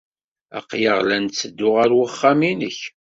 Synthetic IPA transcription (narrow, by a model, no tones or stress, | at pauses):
æ̰qjəʁlænt͡sːəd̪ːʊʁaɾwəχːaminəç